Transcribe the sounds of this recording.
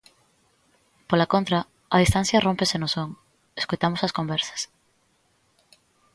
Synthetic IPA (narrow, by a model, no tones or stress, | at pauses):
polakont̪ɾɐ | ɐðist̪ãn̟θjɐrompesenosoŋ | eskojt̪amosɐskombɛɾsɐ̥s